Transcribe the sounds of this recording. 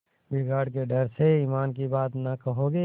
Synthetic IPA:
bɪɡaːɽkeɖəɾseiːmaːnkibaːt̪nɐkəɦoɡe

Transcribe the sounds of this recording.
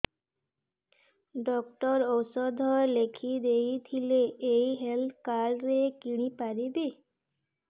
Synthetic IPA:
ɖɔkʈɔɾowsɔd̪ʱɔelekʰid̪ejt̪ʰileejɦelt̪ʰkaɾɾekiɽ̃ipaɾib̪e

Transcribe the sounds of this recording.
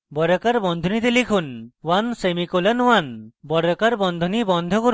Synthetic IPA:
bɔɾɔkaɾbɔnd̪ʱɔnid̪ilikʰunwansemikolanwanbɔɾɔkaɾbɔnd̪ʱunibɔnd̪ʱɔkɔɾ

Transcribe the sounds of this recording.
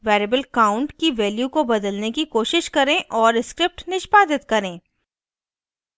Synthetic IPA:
ʋeːɾeːbəlkaːʊ̃ɳʈkiʋeːljukobɐd̪əlnekikoːʃɪʃkɐɾẽʔɔːɾɪskɾɪp̚ʈnɪʃpaːd̪ɪt̪kɐɾẽː

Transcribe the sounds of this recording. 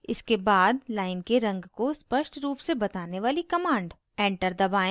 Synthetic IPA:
ɪ̰skebaːd̪laːɪnkeɾɐ̃ŋɡkospəʃʈɾuːpsebɐt̪aːneʋaːlikɐmãːɳɖ | ɛ̃ːɳʈəɾd̪ɐbaːẽ

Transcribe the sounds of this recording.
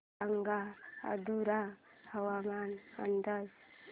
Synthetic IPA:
aŋɡaa̰d̪uɾahəwamana̰nd̪as

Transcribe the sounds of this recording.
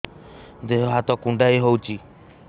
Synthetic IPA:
d̪eɦɔɦat̪ɔkuɳɖajɦowt͡ʃʰi

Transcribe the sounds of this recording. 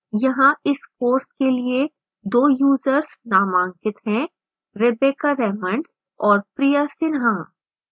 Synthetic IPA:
jɐɦãɪskoːɾskelie | d̪oːjuːzəɾsnaːmãːŋkɪt̪ɦɛ̃ | ɾɪbeːkaɾɛːmə̃ɳɖ | ɔːɾpɾijasɪnɦã

